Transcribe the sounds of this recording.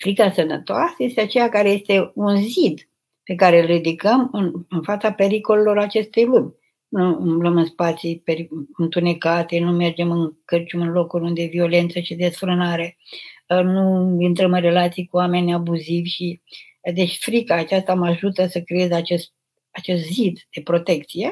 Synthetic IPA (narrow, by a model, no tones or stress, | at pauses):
fɾikasənət̪oasəjest̪eat͡ʃejakaɾe̞je̞st̪e̞unzid̪ | pe̞kaɾelrid̪ikəmɨnɨnfat̪sape̞ɾiko̞lelo̞ɾat͡ʃe̞st̪e̞jlumʲ | nuɨmbləmɨnspat̪sipeɾiɨnt̪une̞kat̪e̞nume̞rd͡ʒe̞mɨnkərt͡ʃumɨnlo̞kulund̪e̞vio̞le̞nt̪səʃid̪e̞sfɾɨnaɾe̞ | nuint̪ɾəmɨnre̞lat̪sijkuame̞nʲabuzivʲʃi | d̪e̞t͡ʃʲfɾikaːt͡ʃast̪amaʒut̪əsəkɾeezat͡ʃest̪̚ | at͡ʃe̞st̪zid̪d̪̥e̞pɾo̞t̪e̞kt̪sije̞